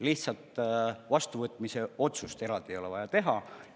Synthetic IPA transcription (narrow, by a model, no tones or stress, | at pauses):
liht̪sɑlt̪vɑst̪uvɤt̪ːˑmise̞o̞t̪sust̪e̞ɾɑld̪ijo̞levɑjɑt̪e̞ɦɑ